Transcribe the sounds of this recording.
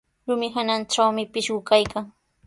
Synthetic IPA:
ɾʊmɪɦananʈ͡ʂawmɪpɪʃɢʊkajkaŋ

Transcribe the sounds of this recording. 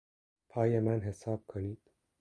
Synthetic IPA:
pʰɒːjemænɦesɒːb̥̚kʰoniːd̪̥

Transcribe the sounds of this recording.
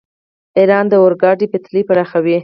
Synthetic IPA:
iɾɑnd̪əwʊɾɡɑɖipət̪lipaɾaxawi

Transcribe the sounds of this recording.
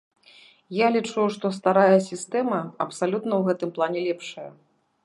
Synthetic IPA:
jalʲit͡ʂujuʂt̪ɔst̪aɾajɐsʲist̪ɛmɐɐpsalʲut̪nɐwɣɛt̪ɨmplˠanʲɛlʲɛpʂɐjɐ̰

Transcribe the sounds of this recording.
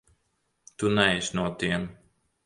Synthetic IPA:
t̪unɛjʃnuɔt̪iɛm

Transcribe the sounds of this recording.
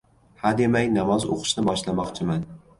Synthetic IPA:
had̪emajnamɒzo̰qʰɨ̥ʃnɪbɒʃlamɒqt͡ʃʰɪman

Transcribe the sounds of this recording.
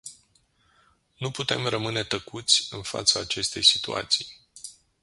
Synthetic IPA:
nuput̪e̞mrəmɨne̞t̪əkut̪sʲɨnfa̰t̪saːt͡ʃe̞st̪e̞jsi̥t̪ṵa̰t̪sij

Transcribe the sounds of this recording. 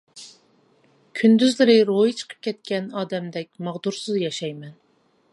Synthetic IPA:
kʲʰynd̪yzlɪɾɪɾojit͡ʃʰə̥qʰə̥p̚kʲʰɛt̪̚kʲɛnɑːd̪ɛmd̪ɛk̚ʲmɑʁd̪uɾsɨzjɑʃɑjmɛn

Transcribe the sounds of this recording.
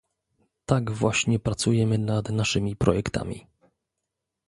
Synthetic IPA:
t̪aɡvwaɕɲɛpɾat̪sujɛmɘnad̪naʂɘmʲipɾɔ̰jɛkt̪a̰mʲḭ

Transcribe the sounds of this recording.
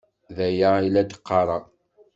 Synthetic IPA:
ðæjailæd̪ə̥qʰːɑɾˤɑ

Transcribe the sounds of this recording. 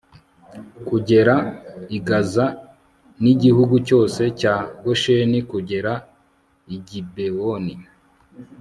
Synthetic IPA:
kuɟe̞ɾaiɡaza | niɟihuɡuco̞ːse̞caːɡoʃenikuɟe̞ɾa | iɟibewoni

